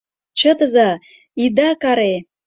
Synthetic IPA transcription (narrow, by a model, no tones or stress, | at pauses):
t͡ɕə̆t̪əzɑ | id̪ɑkɑɾe